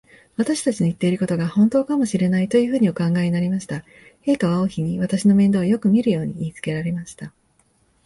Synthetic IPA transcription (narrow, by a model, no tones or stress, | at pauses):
βat̪aɕi̥t̪at͡ɕino̞it̪ːe̞iɾɯ̟ko̞t̪o̞ɡahõ̞nt̪o̞ːkamo̞ɕiɾe̞nait̪o̞jɯ̟ːɸɯ̟ːɲ̟io̞kãŋɡaeɲinaɾʲimaɕi̥t̪a | he̞ːkaβaoçiɲ̟iβ̞at̪aɕino̞mend̪o̞ːjo̞kɯ̟mʲiɾɯ̟jo̞ːɲ̟iːt͡sɨ̥ke̞ɾaɾe̞maɕi̥t̪a